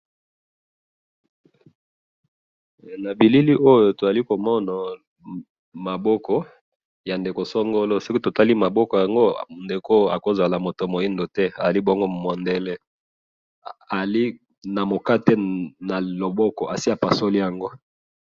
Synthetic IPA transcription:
na˨bi˨li˦li˦ʔo˦jo˨to˨a˨li˦ko˨mɔ˦na˨ | ma˨bɔ˦kɔ˦ | ja˨nde˨ko˨sɔ˦ŋɡo˦lo˦so˦ki˦to˨ta˦li˦ma˨bɔ˦kɔ˨ja˨ŋɡo˦nde˨ko˦a̰˨ko˨zwa˨la˨mo˨to˨mo˨i˦ndo˨tɛ˦a˨a˨li˦bo˦ŋɡo˦mo˨ndɛ˦lɛ˦ | a˨li˦ | na˨mo˨ka˦tɛ˦na˨lo˨bɔ˦kɔ˨ʔa˨si˦a˨pa˨so˦li˦ja˨ŋɡo˦

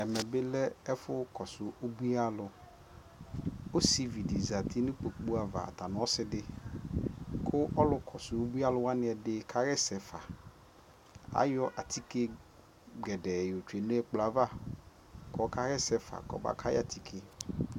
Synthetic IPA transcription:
ɛ˨mɛ˨bɪ˦lɛ˦ɛ˦fʊ˦kʰɔ˨sʊ˨o˦bu˦a˦lʊ˨ | o˦si˦vi˨di˨za˨t̪ʰi˦nʊ̃˦k͡po˨k͡pu˦a˨va̰˨a̰˨t̪a˨nʊ̃˨˦ɔ˦sɪ˦dɪ˦ | kʰʊ˦ʔɔ˦lʊ˦kʰɔ˨sʊ˨o˦bu˦a˦lʊ˦wa˦nɪ̃˦ɛ˨dɪ˦kʰa˦ɣɛ˦sɛ˨fa̰˨ | a̰˦jɔ˦ʔa˨t̪ʰi˦ke˦ | ɡɛ˨dɛ˨jo˨t͡ʃᶣe˨nẽ˦ɛ˦k͡pla˨va˦˨ | kɔ˨˦ka˦ɣɛ˦sɛ˨fa̰˨kɔ̰˨ba̰˦kʰa˦ɪ̰˦a˨t̪ʰi˨kʰe˦

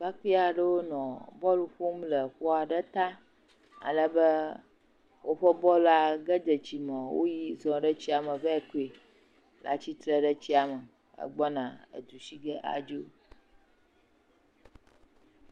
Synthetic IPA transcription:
ba˦ki˦a˨ɖə˦wo˦nɔ̃˨bɔ˦lu˨ɸu˦mlə˨ɸɔ˦a˨ɖə˦t̪a˦ | a̰˨lə˦bə˦ | wo˦ɸə˦bɔ˦la˨ɡə˦d̪ə˨t͡ɕi˨mɔ̃˨wo̰˦ji˦zɔ̃˨ɖə˦t͡ɕi˦a˨mə˨və˦ɛ˦ku˦e˨ | la̰˨t͡ɕi˦t̪ɾə˦ɖə˦t͡ɕi˦a˨mə˨ | ə̰˨ɡ͡bɔ˦nã˨ə̰˨d̪u˨ʃi˦ɡə˦ʔa̰˨d͡ʒi˦o˦

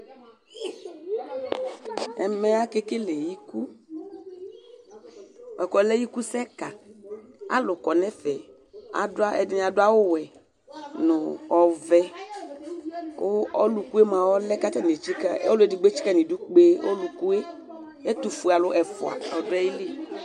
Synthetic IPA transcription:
ɛ˨mɛ˦a˦ke˦ke˦le˨ji˦ku˦˨ | ɛ˨kɔ˨˦lɛ˦ji˦ku˦sɛ˦ka˨ | a̰˨˦lʊ˨kɔ˨nɛ˦fɛ˨ | a̰˨dʊ˦a˦ʔɛ̰˨dɪ˨˦n˨a˨dʊ˦a˦wo˦wɛ˨ | nʊ̃˨ɔ˨vɛ˦ | o˦ɔ˦lu˨ku˦e˦mã˨wɔ˦lɛ˦ka˦t̪a˦n˨e˨t͡ʃi˦ka˦o˦le˨di˨ɡ͡be˦t͡ʃi̥˦ka˦nĩ˨du˦k͡pe˦o̰˦lu˨ku˦e˦ | e˦t̪u˨fu˨a˨lʊ˦ʔɛ˨fʊ̰˨a̰˨a̰˨ɔ˨dʊ˦ɛ˦ji˦li˦

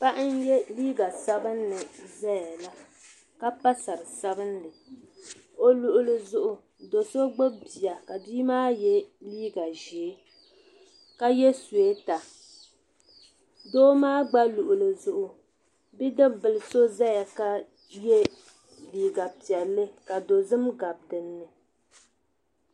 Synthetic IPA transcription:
pa˦ʔɪ˦n˦jɛ˦liː˦ɡa˨sa˦bɨ˦nnɨ˨za˦ja˨la˦ | ka˦pa˦sa˨ɾɨ˨sa˦bɨ˦nnɨ˨ | o˦lu˨ʔʊ˨lɨ˨zʊ˦ʔʊ˨ | do˨so˦ɡ͡bo˦bi˨a˨ka˨diː˦maː˦jɛ˦liː˦ɡa˨ʒeː˨˦ | ka˦jɛ˦su˨e˦ta˨ | doː˦maː˦ɡ͡ba˦lu˨ʔʊ˨lɨ˨zʊ˨ʔʊ˨ | bi˦dɨ˦bɨ˨lɨ˨so˦za˦ja˨ka˦ | jɛ˦ | liː˦ɡa˨pi˨ɛ˨lːɨ˦ka˨do˨zɨ˦mɡa˨b̚tɨ˨nː˦ɨ˨

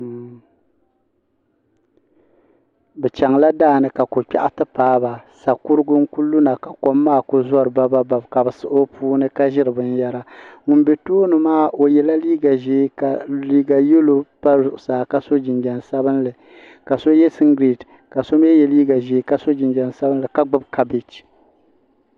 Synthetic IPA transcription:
bɛ˨t͡ʃa˨ŋla˦daː˦˨nɨ˨ka˨ko˨k͡pɛ̰˦ʔa˦tɨ˦paː˦ba˨sa˨ku˦ɾɨ˦ɡʊ˦ŋ̩˦ku˦lːu˦na˨ka˨ko˦mːaː˦˨ko˦zɔ˦ɾɨ˨ba˦ba˦ba˨bka˨bɨ˨sɨ˦ʔo˦puː˦nɨ˦ka˦ʒɪ˦ɾɨ˨bɨ˦n˦ja˦ɾa˦ŋʊ˨nbe˨toː˦nɨ˨maː˦ʔo˨jɛ˨la˦liː˦ɡa˨ʒeː˨˦ka˨liː˦ɡa˨jo˦lo˨pa˦zʊ˨ʔʊ˨saː˨ka˦so˦d͡ʒɪ˨nd͡ʒɛ˨nsa˦bɨ˦nlɨ˨ | ka˨so˦jɛ˦sɨ˦ŋɡɾi˨t | ka˨so˦m˦ɛ˦jɛ˦liː˦ɡa˨ʒeː˨˦ka˦so˦d͡ʒɪ˨nd͡ʒɛ˨n˨sa˦bɨ˦nlɨ˨ka˦ɡ͡bɨ˦bka˨be˨t͡ʃi̥˨

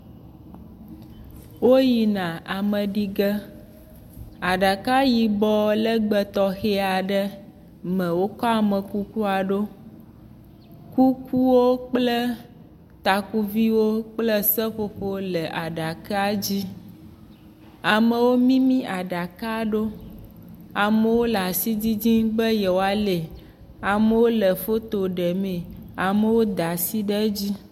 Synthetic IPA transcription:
wo˦ji˨nã˨a˨mə̃˨ɖi˦ɡə˦ | a˨ɖa˨ka˦ji˨bɔ˨˦lə˦ɡ͡bə˨t̪ɔ˦xe˦a˨ɖə˦ | mə̃˨wo˦kɔ˦a˨mə̃˨ku˦ku˦a˨ɖo˦ | ku˦ku˦wo˦k͡plə˦ | t̪a˨ku˦vi˦wo˦k͡plə˦sɛ˦ɸo˦ɸo˦lɛ˨ʔa˨ɖa˨ka˦a˦d͡ʑi˦ | a˨mẽ˨wo˦mĩ˦mĩ˦ʔa˨ɖa˨ka˦ɖo˦ | a˨mẽ˨wo˦la˨si˦d͡ʑi˦d͡ʑĩ˦bə˦jɛ˨wo˨a˨le˨ | a˨mẽ˦wo˦lɛ˨fo˦t̪o˨ɖɛ˨mẽ˨a˨me˨wo˦d̪a˨si˦ɖɛ˦d͡ʑi˦

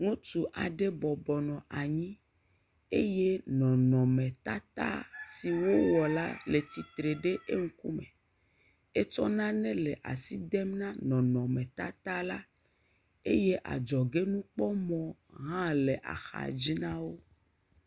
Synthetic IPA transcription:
ŋũ˦t̪u˨ʔa˨ɖe˦bɔ˨bɔ˨nɔ̃˨ʔa˨ɲĩ˦ | ḛ˦je˦nɔ̃˨nɔ̃˨mẽ˨t̪a˦t̪a̰˦si˨wo˦wɔ˨la̰˦le˨t̪i˨t̪ɾe˨ɖe˦ʔe˦ŋ̩˦ku˦mḛ̃˨ | e˦t͡ʃɔ˦nã˦nɛ̃˦le˨ʔa̰˨si˦d̪ɛ˦mnã˦nɔ̃˨nɔ̃˨mɛ̃˨t̪a˦t̪a˦la˦ | e˦je˦ʔa̰˨d͡ʒɔ˨ɡe˦nũ˦k͡pɔ˦mɔ̃˨ɦã˦le˨ʔa̰˨xa̰˨d͡ʑi˦nã˦wo˦

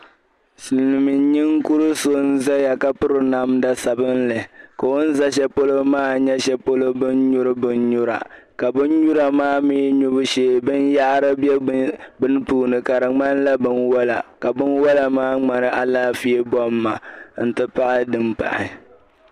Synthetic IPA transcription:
sɨ˨lnɨ˨mi˨˦ɲi˦ŋku˦ɾɨ˦so˦n̩˦za˦ja˨ka˦pɨ˦ɾɨ˨na˦mda˦sa˨bɨ˦nlɨ˨ka˨o˦n̩˦za˦ʃɛ˦po˦lo˦maː˦ɲɛ˦ʃɛ˦po˦lo˦bɨ˦nɲu˦ɾɨ˦bɨ˦nɲʊ˦ɾa̰˨ | ka˨bɨ˦nɲu˦ɾa˨maː˦miː˦ɲu˦bʊ˦ʃeː˨bɨ˦nja˦ʔɾɨ˦bɛ˦bɨ˦n˦tu˦˨nɨ˨ka˨ɾɨ˨ŋ͡ma˦n˦la˦bɨ˦nwa˦la̰˨ka˨bɨ˦nwa˦la˨maː˦ŋ͡ma˨nɨ˦ʔa˨laː˦fi˦ɛ˦bɔ˦mːa˨n̩˨tɨ˦pa˦ʔa˦dɨ˨mpa̰˨ʔɪ̰˨

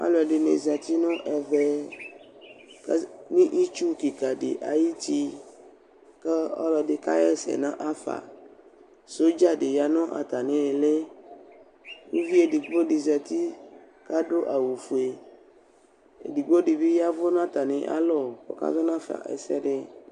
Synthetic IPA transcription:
a̰˦lo˨a˨ɖe˨nḛ̃˨za˨t̪i˦nɔ̃˦ʔɛ˨ve˦ | kmĩ˦ʔi˦t͡ʃu˦ki˨ka˨ɖḛ˨ʔa˨ji˦t̪i˦ | ke˦ɔ̰˦lɔ˨ɖe˨ka̰˦jɛ˦sɛ̰˨nã˦ʔa˦fa̰˨ | so˦d͡ʒa˦ɖe˨ja˨nɔ̃˦ʔa̰˨t̪a˨nẽ˨e˨le˦ | ku˦vi˦e˨di˨ɡ͡bo˦ɖi˨za˨t̪i˦ | ka˦ɖo˦ʔa˨wu˨fu˨e˨ | ḛ˨di˨ɡ͡bo˦ɖi˨bi˦ja˦vɔ˦nã˦t̪a˨nẽ˨ʔa̰˦lɔ˦˨kɔ̰˨ka̰˦zɔ˦nã˦fa̰˨ʔḛ˨sɛ̰˦ɖe˦

